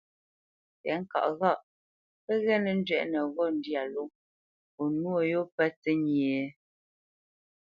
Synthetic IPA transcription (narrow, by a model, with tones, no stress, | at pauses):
pɛ˨˦ŋ̩˦ka̰˨ʔɣa˦˨ʔ | pə˦ɣɛ˦nə˨n̩˦d͡ʒɥɛ̰˨ʔnə˨ɣɔ˦˨n̩˦di˦a˨lo˦ | o˨nu˦o˦˨jo˦pɛ˦tə˦ɲ˨e˨